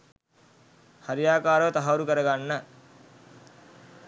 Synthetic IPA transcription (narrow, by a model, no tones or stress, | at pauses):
hɐɾjaːkaːɾɐːt̪ɐɦɐɐɾukɐɾɐɡɐɳːɐ